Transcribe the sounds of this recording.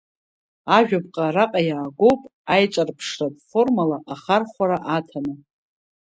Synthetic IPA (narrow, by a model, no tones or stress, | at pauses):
aʒᶣap̚qʼaraqʼajaːɡʷo̞wpʼajt͡ʃʷʼarpʰʂrapʼfo̞rmalaʔaχarχʷaɾaʔatʰanɨ